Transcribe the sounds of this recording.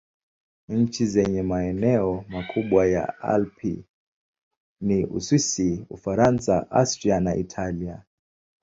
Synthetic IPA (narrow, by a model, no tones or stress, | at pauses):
ɲ̩t͡ʃizɛɲɛmaɛnɛɔmakʰuɓwaja̰a̰lpʰḭ | niʔṵswisiṵfaɾansaʔa̰stɾianaʔitʰalia